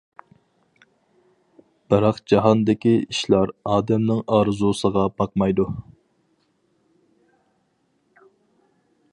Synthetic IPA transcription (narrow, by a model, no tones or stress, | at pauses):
b̥ɨɾɑqd͡ʒɑɦɑnd̪ɪkʲiiʃlˠɑɾɑːd̪ɛmnɪŋɑːɾɨzusəʁɑbɑqmɑjd̪u